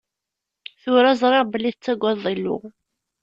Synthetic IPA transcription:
θʊɾæzˤɾˤɪʁbəlːiðət͡sːæɡʷæðˤːilːʊ̰

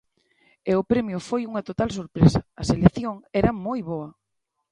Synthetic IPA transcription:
eʊpɾɛmjʊfojuŋɐt̪ot̪als̬oɾpɾesɐɐselekθjoŋɛɾɐmojβoɐ

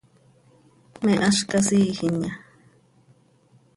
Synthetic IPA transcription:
mẽʔaʂkasiːhiɲã

